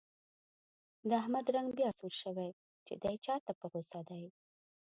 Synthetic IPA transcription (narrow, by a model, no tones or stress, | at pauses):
d̪əahmad̪ɾaŋɡbjɑsuɾʃəwaj | t͡ʃḛd̪ajt͡ʃɑt̪apəɣosad̪aj